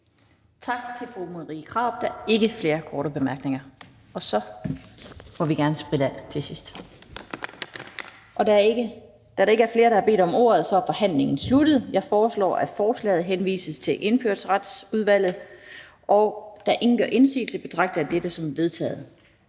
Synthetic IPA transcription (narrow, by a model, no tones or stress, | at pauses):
t͡sʰɑ̈ɡ̥̚t͡sʰe̝lfʁomoðˠʁḭːkʰʁɑ̈ʊ̰b̥̚d̥ɑe̝ɡ̥əfle̝ːɐkʰɒːɾəb̥e̝mæɐɡ̥ne̝ŋɐ | ɒ̽sɒ̽ | mɒʋiɡ̥æɐnəsb̥ʁidænt͡sʰe̝sisd̥ | ʔɒ̽d̥ | d̥æɾɑ̈e̝ɡəæɐfle̝ːɐɾ̥ɑæɐb̥e̝̰ːd̥ɒ̽mo̝ːɐð̩ˠsɒ̽æɐfɒ̽hæn̰le̝ŋn̩sludəð̩ˠjɑ̈ɪfɒːslɒ̰ːʔæ̥fɒːslɛ̰ːð̩ˠɦenʋḭːsəst͡sʰe̝ʔe̝nføɐ̰d̥sʁad̥suð̞ˠʋæl̰ð̞̩ˠ | ʔɒʊd̥æʔe̝ŋn̩ɡ̥ɶɐ̰ʔe̝nsy̰ːl̩səb̥e̝t͡sʰʁɑ̈ɡ̥d̥æd̥ed̥əsɒ̽mʋe̝ð̞ˠt͡sʰɛ̰ːð̩ˠ